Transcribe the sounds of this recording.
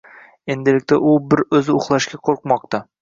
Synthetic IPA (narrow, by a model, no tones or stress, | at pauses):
e̞nd̪ɪlɪk̚ʲt̪ʰaʔʊbɪɾɵzɪʊχlˠaʃkʲaqʰoɾqmɒq̚t̪a